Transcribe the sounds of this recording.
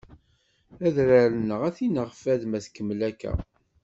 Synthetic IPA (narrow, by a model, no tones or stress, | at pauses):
æðɾæɾənəʁæθinəʁfæðmæθkːəmːlækːæ̰